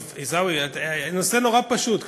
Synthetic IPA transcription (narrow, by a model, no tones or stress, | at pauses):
vizawianose̞no̞ʁapaʃut̪k